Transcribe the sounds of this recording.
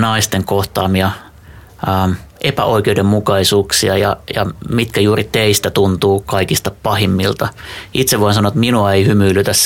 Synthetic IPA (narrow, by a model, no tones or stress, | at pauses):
nɑist̪eŋkoht̪ɑːmiɑː | mʔepæ̰ʔoikeudemmukɑisuːksiɑjɑ̰jɑ̰mit̪kæjuːrit̪eist̪æt̪unt̪uːkɑikist̪ɑpɑhimːilt̪ɑit̪seʋoinsɑnoet̪minuɑeihymyːlyt̪æs